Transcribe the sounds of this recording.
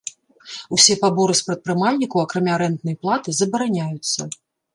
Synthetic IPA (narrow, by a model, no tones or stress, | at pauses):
usʲɛpabɔɾɨspɾɐt̪̚pɾɨmalʲnʲikɐwɐkɾamʲaɾɛnt̪nɐjɐplˠat̪ɨzɐbɐɾanʲajut̪sːɐ